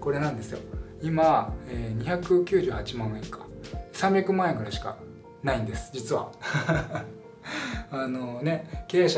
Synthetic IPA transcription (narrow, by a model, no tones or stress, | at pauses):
ko̞ɾe̞nãnd̪e̞sɨjo̞̰imaeːɲ̟içakɯ̟kʲɨːʑɨːhat͡ɕimãɰẽŋkḁsãmbʲjakɯ̟mãeŋɡɯ̟ɾaiɕi̥ka̰ | naĩnd̪e̞sɨ̥d͡ʑit͡sɨβa̰ | ano̞ne̞ke̞ːɕ